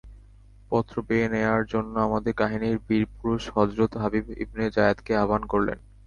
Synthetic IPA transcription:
pɔt̪ːɾobeneaɾd͡ʑonːoamad̪eɾkaɦiniɾbiɾpuɾuʃhɔd͡ʑɾot̪ɦabibḭbned͡ʑajad̪keabankoɾlḛn

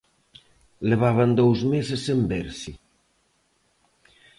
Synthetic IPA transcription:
leβ̞aβ̞and̪owzmesesembeɾsi

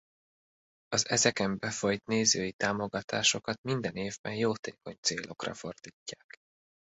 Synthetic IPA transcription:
ɒzɛzɛkɛmbɛfo̞jt̪neːzøːjit̪aːmo̞ɡɒt̪ʰaːʃo̞kɒt̪mind̪ɛneːvbɛnjoːt̪eːko̞ɲt̪seːlʔo̞krɒ̰fo̞rd̪̥iːcːaːk

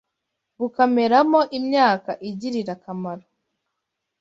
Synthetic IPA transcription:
βukame̞ɾamo̞ʔimɲaːkaʔiɟiɾiɾakamaɾo

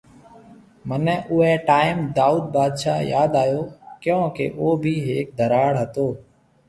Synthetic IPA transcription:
mənɛ̃ːʔʊːɛːʈaːɪmd̪aːuːd̪̚baːd̪ʃaːjaːd̪aːjoːkjõːkḛʔoːbʱiːɦeːk̚d̪ʱəɾaːɽɦət̪oː

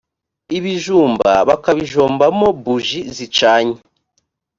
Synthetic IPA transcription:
iβiʒuːmba̰βakaβiʒo̞ːmbamo̞buʒizit͡ʃaːɲe

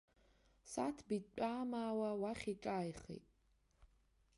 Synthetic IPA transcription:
satʰbit͡pʷʼaːmaːwawaχʲiʈ͡ʂʼaːjχḛjtʼ

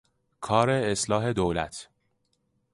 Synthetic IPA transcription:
kʰɒːɾe̞ːslɒːɦe̞d̪oːlæ̰t̪ʰ

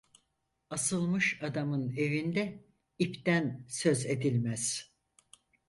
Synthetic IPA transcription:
asɯlˠmɯʃad̪amɯne̞vind̪ɛ | ipt̪ænsø̞ze̞d̪ilʲmæz̥

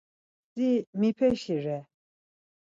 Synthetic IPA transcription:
simipʰɛʃiɾɛ

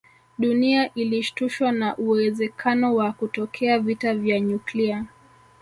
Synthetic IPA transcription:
ɗuniaʔiliʃtuʃwanaʔuwɛzɛkʰanɔwakutɔkʰɛavitavjaɲuklia

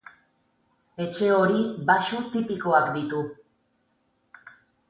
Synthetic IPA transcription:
e̞t͡ʃe̞o̞ɾiβaʃut̪ipiko̞akd̪it̪u

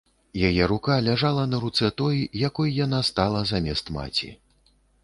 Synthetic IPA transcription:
jajɛɾukalʲaʐalˠɐnɐɾut̪sɛt̪ɔjijakɔjjanast̪alˠɐzamʲɛst̪ma̰t͡sʲḭ

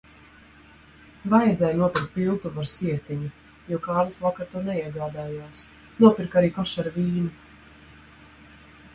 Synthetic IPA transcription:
vajɛd̪zɛjnuɔpiɾkt̪̚pilˠt̪uvaɾsiɛt̪iɲu | juɔkaːlisvakaɾt̪uɔnɛiɛɡaːd̪aːjaːs | nuɔpʲiɾkaɾiːkɔʃaɾvʲiːnu

